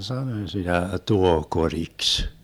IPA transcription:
sɑnoĭ sitæ tuohkoriks

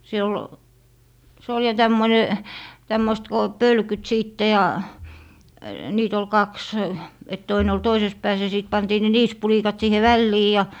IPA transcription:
se ol se ol jɑ tæmːone tæmːoist ko pølkyt siːtːe jɑ niːt ol kɑks et toine ol toises pæːs jɑ siˑt pɑntiː ne niːspulikɑt siːhe ʋælːiː jɑ

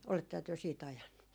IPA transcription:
oletːehɑ tyø siːt ɑjɑnːu

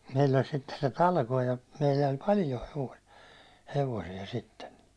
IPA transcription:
meilː olʲ sitːe se tɑlkoː jɑ meilːæ olʲ pɑljo heʋo heʋosiɛ sitːen

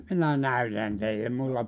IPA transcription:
minæ næytæn teilːe mulːɑ

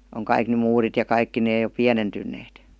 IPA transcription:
oŋ kɑik ny muːrit jɑ kɑikːi neː jo piænentynˑeːt

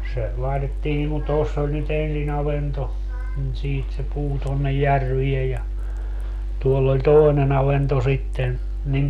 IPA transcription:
se lɑitetːiː niŋ kun tosː olʲ nyt ensin ɑʋento nin siːt se puː tonːej jærʋiej jɑ tuolː olʲ toˑi̯nen ɑʋento sitːen nim

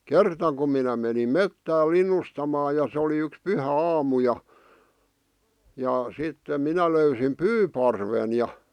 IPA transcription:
kertɑ kum minæ menim metːæː linˑustɑmɑː jɑ sĕ oli yks pyhæɑːmu jɑ jɑ sitːem minæ løysim pyːpɑrʋen jɑ

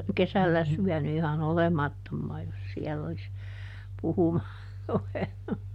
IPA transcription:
kesælːæ syæny ihɑn olemɑtːomːɑː jos siɛlː olis puhumɑːr ruʋenːu

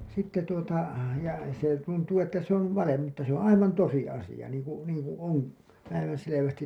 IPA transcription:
sitːe tuotɑ jɑ se tuntuː etːæ se on ʋɑlem mutːɑ se õː ɑiʋɑn tosi ɑsij̆ɑ niːŋ ku niːŋkũː õː pæiʋænseleʋæstin

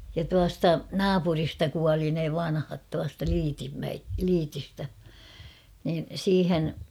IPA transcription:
jɑ tuɑstɑ nɑːpuristɑ kuɑli ne ʋɑnhɑt tuɑstɑ lyːtimːæe lyːtistæ niːn̞ siːhen

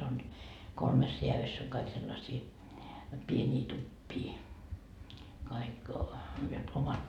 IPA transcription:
on kolmes reæʋysː oŋ kɑik selːɑsiː pienʲiː tupːiː kɑik jot omɑt

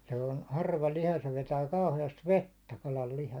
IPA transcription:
se on hɑrʋɑ lihɑ se ʋetæː kɑuheɑst ʋetːæ kɑlɑl lihɑ

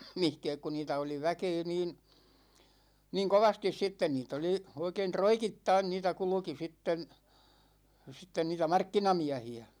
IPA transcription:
mihkɛːk ku niːtæ oli ʋækeː niːn̞ niŋ koʋɑstis sitːen niːt oli oikein troikitːɑin niːtæ kulŭki sitːen sitːen niːtæ mɑrkːinɑmiæhiæ

